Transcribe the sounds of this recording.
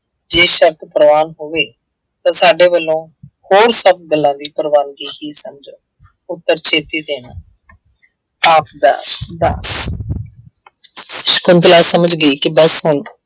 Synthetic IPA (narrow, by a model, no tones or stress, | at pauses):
d͡ʒeːʃəɾt̪ʰpəɾəʋaːnɦoːʋeː | t̪ãːsaːɖeːʋəlːõːhoːɾsəb̚ɡəlːãːd̪iːpɾəʋaːnɡiːɦiːsəmd͡ʒəː | ʊt̪ːəɾt͡ʃʰeːt̪iːd̪eːnaː | aːpd̪a̰ːd̪a̰ːs | ʃkʊnt̪laːsəməd͡ʒɡəiːkɪbəsɦʊɳ